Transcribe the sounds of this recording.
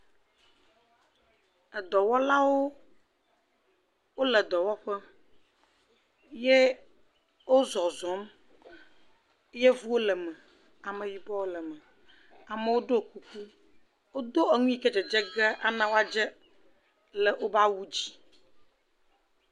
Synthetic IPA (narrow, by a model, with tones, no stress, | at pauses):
ɛ˨d̪ɔ˨wɔ˦la˦wo˦ | wo˦lɛ˨d̪ɔ˨wɔ˦ɸɛ˦ | je˦ | wo˦zɔ˨zɔ̃˨˦m˦ | je˦vu˦wo˦lɛ˨mə˨ | a˨mə̃˨ji˨bɔ˦wo˦lɛ˨mə˨ | a˨mə˨wo˦ɖo˦˨ku˦ku˦ | wo˦d̪o˦ɛ˨ŋũ˦i˦˨kɛ˦d͡ʒɛ˨d͡ʒɛ˦ɡɛ˦ʔa˦nã˦wo˦a˦d͡ʒɛ˦ | lɛ˨wo˦ba˦wu˦d͡ʑi˦